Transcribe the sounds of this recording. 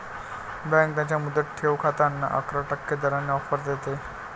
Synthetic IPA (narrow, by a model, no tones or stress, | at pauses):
bɛ̃ŋk̚t̪jat͡ɕjamud̪ʱəʈʰeʋkʰat̪anːa̰ʔə̰kɾəʈəkːed̪əɾanːeɔfəɾd̪et̪e